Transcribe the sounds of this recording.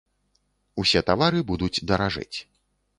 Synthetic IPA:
usʲɛt̪avaɾɨbud̪ut͡sʲd̪ɐɾaʐɨ̰t͡sʲ

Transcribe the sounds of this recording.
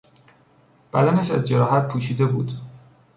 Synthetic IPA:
b̥æd̪ænæʃæzd͡ʒeɾɒːɦæt̪̚pʰuːʃiːd̪ebuːd̪̥

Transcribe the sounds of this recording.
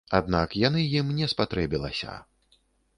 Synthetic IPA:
ad̪̚nakjanɨjimnʲɛspat̪ɾɛbʲilˠɐ̰sʲɐ̰

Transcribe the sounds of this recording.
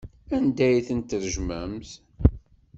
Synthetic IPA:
ænd̪æjθənt̪əɾʒmæmθ

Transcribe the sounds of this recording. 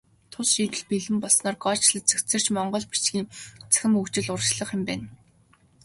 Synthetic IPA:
t̪ʰʊsʃiːt̪ɘ̆ɮpiɮɘ̆mpɔɮsnɔːrɡɔt͡ɕɮə̆t͡sʰɵ̥kt͡sɘ̆r̥t͡ɕmɔɴɢɞ̆ɮpi̥t͡ɕɡʲiːŋt͡sæ̥xʲɪ̆mɵkt͡ɕɪ̆ɮʊrt͡ɕɮɞ̆χɪ̆mpæːn

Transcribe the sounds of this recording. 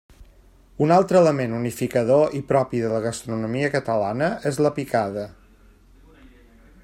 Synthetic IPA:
unalˠt̪ɾələmenunifikəðoʔipɾɔpiðələɣəst̪ɾunumiəkət̪əlanəʔezləpikaðə

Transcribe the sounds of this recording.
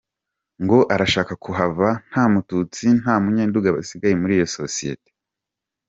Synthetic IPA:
ŋɡo̞ʔaɾaʃaːkakuɦavan̥haːmutut͡sin̥haːmuɲeːnduɡaβa̰siɡajemuɾiːjo̞so̞sije̞̰te̥

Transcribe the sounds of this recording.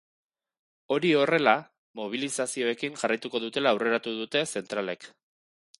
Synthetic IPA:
o̞ɾio̞re̞la | mo̞β̞ilisasio̞e̞kiŋʝarajt̪uko̞ðut̪e̞laːwre̞ɾat̪uðut̪e̞se̞nt̪ɾale̞k

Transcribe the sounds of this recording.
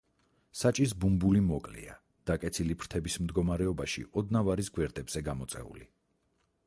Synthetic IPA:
sat͡ʃʼis̬bumbulimɔkʼlḭa | d̪̥akʼɛt̪sʰilipʰɾt̪ʰɛbismd̪ɡɔmaɾɛɔbaʃḭʔɔd̪navaɾisɡwɛɾd̪ɛbz̥ɛɡamɔt̪sʼɛ̰ṵli

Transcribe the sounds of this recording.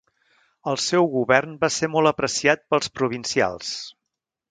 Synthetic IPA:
əlˠsɛwɣuβɛrnbasemɔlˠəpɾəsiat̪̚pəlˠspɾuβ̞insia̰lˠs

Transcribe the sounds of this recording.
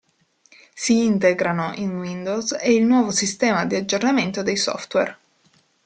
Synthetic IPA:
siint̪eɡɾanoʔinwind̪owzeilnwɔːvosist̪ɛːmad̪iad͡ʒːornament̪od̪ejsɔ̰ft̪wɛ̰r

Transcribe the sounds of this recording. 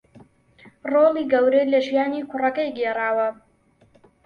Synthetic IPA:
roːliːɡɐwɾejlɐʒijaːniːkʰʊrɐkɐjɡeːraːwɐ

